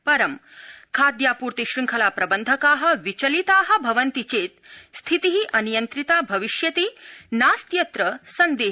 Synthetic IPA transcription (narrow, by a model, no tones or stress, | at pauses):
pɐɾɐmkʰaːd̪jaːpuːɾt̪iʃɾiŋkʰɐlaːpɾɐbənd̪ʱɐkaːɦə̆ʋit͡ɕɐlit̪aːɦɐ̆bʱɐʋɐnt̪it͡ɕeːt̪st̪ʰit̪iɦiʔɐnijɐnt̪ɾit̪aːbʱɐʋiʃjɐt̪iːnaːst̪jɐt̪ɾəsɐnd̪eː